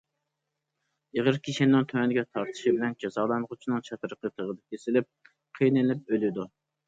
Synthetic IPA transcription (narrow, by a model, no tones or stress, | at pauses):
eʁəɾkʲʰiʃinːɪŋt̪ʰømɛnɪɡʲɛt̪ʰɑɾt̪ʰɨ̥ʃibɪlɛnd͡ʒɑzɑːlˠɑnəʁʊt͡ʃʰinɨŋt͡ʃʰɑt̪əɾəqʰət̪ʰəʁəd̪ɛkʲʰesɪlɪp̚ | qʰijnɨlɪp̚ølɪd̪u